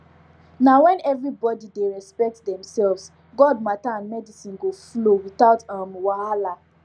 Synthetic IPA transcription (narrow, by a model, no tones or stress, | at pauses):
nawɛ̃nɛvɹibɔdideɹɛspɛk̚tdɛ̃msɛlvs | ɡɔd̚mataãnmɛdisĩnɡoflowitaʊtãmwaala